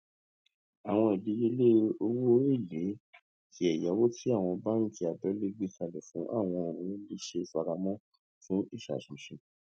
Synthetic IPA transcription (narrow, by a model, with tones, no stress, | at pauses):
a˨w̃ɔ̃˧i˨bi˨˦je˦le˦o˧wo˦i˦˨le˨˦ | tʰi˨˦ɛ˨ja˨˦wo˦ti˦a˦˨w̃ɔ̃˧ba˦nũ˦ti˧˦a˨bɛ˨˦le˦ɡ͡bi˦ta˧lɛ˨fũ˨˦ʔa̰˦˨w̃ɔ̃˧o˨ɾũ˨˦bi˧˦ʃe˧˨fa˧ɾa˧mɔ̃˦ | fũ˦i˦˨ʃa̰˨ʃĩ˨ʃĩ˧